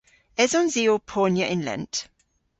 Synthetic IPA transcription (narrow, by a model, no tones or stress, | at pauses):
ɛzɔ̃nziːopʰɔːnjəʔɪ̃nlə̰̃nd